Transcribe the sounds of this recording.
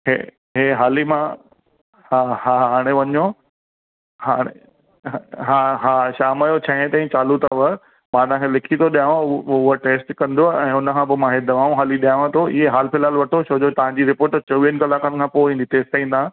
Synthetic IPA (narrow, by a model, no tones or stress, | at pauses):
ɦḛ | ɦeɦaːlimã | hahaːɦaːɽ̃eʋɐɲo | ɦaːɽ̃e | ɦaɦaːʃaːmajot͡ɕʰaɦt̪aːĩt͡ɕaːlut̪aʋə | mãːnãkʰelɪkʰit̪ʰoɗijãʋãʊɦoʈeːsʈkɐ̃nd̪oaɛ̃ːʊnəkʰãːbɪmãɦed̪ɐʋaːũɦaːliɗijaʋãt̪ʰoʔɪ̰ɦeɦaːlpʰɪlaːlʋɐʈʰoʃʰoːd͡ʑot̪ɐʋ̤ãɲd͡ʑiɾɪpoːɾʈt͡ɕɐʋiənɪ̆kɐlaːkənkʰãːpoĩːn̆d̪it̪eːst̪aĩnd̪a